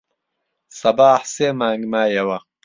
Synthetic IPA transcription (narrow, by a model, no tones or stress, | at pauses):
sɐbaːħseːmaːŋɡmaːjɐwɐq